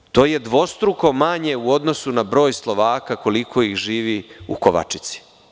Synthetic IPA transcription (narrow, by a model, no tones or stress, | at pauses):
t̪o̞ːje̞d̪ʋo̞st̪ɾuko̞maɲe̞uo̞d̪no̞sunabɾo̞ːjslˠo̞ʋaːkako̞likʰo̞ixʒiːʋiṵkoʋa̰t͡ʃi̥t̪si̥